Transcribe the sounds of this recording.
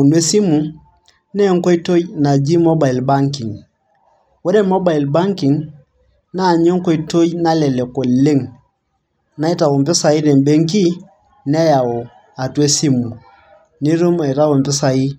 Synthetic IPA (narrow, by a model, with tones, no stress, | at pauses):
u˨nwe˦si˦mu˨ | nɛ˦ŋ˦ko˦i˦to˦jna˨d͡ʒi˦mɔ˦ba˨i˨lba˦ŋki˨ŋ | wo˦ɾe˦mɔ˦ba˨i˨lba˦ŋki˨ŋ | na˦˨ɲo˦ŋko˦i˨˦to˦jna˦lɛ˨lɛ˨ko˨le˦ŋ | na˨˦i˦ta˨wu˨mpɪ˦sa˨i˦ɾɛ˨mbe˦ŋki˦ | nɛ˦ja˨wo˨ | a˨tu˦e˦si˦mu˨ | ni˦ɾu˦ma˨i˨ta˦wo˨mpɪ˦sa˨i˦